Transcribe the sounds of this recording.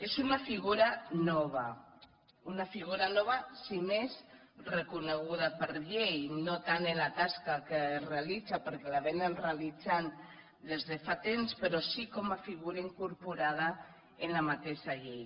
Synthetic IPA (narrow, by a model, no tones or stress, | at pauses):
ezunafiɣ̞uɾanɔβ̞a | unafiɣ̞uɾanɔβ̞asimez | rekuneɣuðapəɾʎejnot̪anelat̪askakerealid͡zapəɾkelaβenenrealid͡zan | d̪ezðefat̪emspəɾosikɔmafiɣuɾaiŋkuɾpuɾað̞a | enlamat̪eʃaʎej